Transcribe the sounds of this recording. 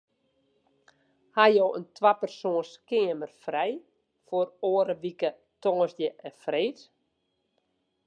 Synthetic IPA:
hajoːʔəntʰʋapərsoːənskɪəmərfrɛj | foroəɾəʋikə | toŋəsdjəʔɛfreːt

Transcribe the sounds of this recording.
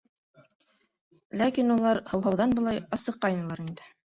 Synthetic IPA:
lækinulˠɑɾhɤ̆wɦɑwðɑnbɤ̆lˠɑjɑsɤ̆qːɑjnɤ̆lˠɑɾind̪ɘ

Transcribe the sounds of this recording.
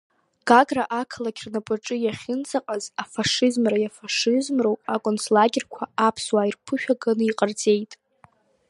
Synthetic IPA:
ɡ̥aɡraʔakʰalakʲʰrnapʼɨʈ͡ʂʼɨjaχʲɪnt͡sʰʼaqʼazafaʂɨzmrajafaʂɪzmrowakʷʼonsʰlaɡʲɪrkʷʰaapʰswairpʰɨʃᶣaɡɨnɨiqʼard͡zʼe̞jtʼ

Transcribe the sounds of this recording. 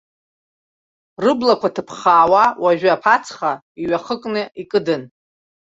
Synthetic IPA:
rɨblakʷʰatʰɨpʰχaːwawaʒᶣaːpʰat͡sʰχa | iɥaχəkʼnɨikʼɨdɨn

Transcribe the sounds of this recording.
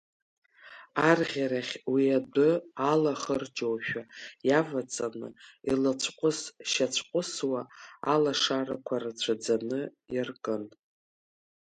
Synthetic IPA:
arʁʲaɾaχʲwiadʊalaχərd͡ʒowʃᶣajavat͡sʼanɨ̰ilat͡ɕʷʰqʷʼʊsʃat͡ɕʷʰqʷʼʊswaa̰laʂaɾakʷʰarat͡ɕʷʰad͡zanɨjarkʼɨn

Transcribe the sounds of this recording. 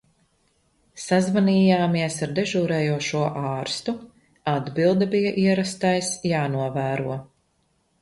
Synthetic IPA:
sazvaniːjaːmiɛsaɾd̪ɛʒuːɾɛːjuɔʃuɔʔɑːɾst̪u | ad̪bilˠd̪ɛbijaʔiɛɾast̪ajsjaːnuɔvæːɾuɔ

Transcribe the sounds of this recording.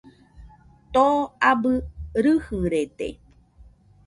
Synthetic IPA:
t̪oabɨɾɨhɨɾet̪ḛ

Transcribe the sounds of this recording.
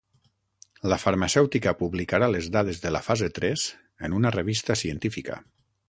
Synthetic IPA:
ləfəɾmasɛwt̪ikəpuβlikaɾalezðað̞ezðəla̰fazet̪ɾɛz̥ | ənunərəβ̞ist̪əsiənt̪ifikə̰

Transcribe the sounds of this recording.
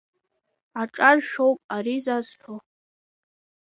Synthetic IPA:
aʈ͡ʂʼarʃowpʼaɾizazħʰo

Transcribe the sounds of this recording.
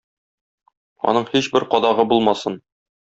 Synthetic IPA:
ɒ̰nɤɴhiɕbɘɾqɒd̪ɑʁɤbulˠmɑsɤn

